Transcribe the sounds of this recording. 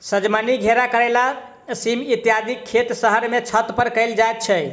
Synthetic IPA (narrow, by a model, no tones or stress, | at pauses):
səd͡ʒmaniɡʱeɾakəɾɛla | simit̪jad̪ʱikʰːet̪səɦəɾmet͡ʃʰət̪pəɾkəɪld͡ʒajt̪̚t͡ʃʰɛ